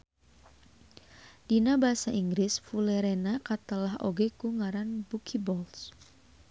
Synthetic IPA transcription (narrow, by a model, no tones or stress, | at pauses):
d̥inabaɦasaʔiŋɡɾɪsfuleɾenakat̪əlaɦo̰ɡekuŋaɾanbukʰibɔls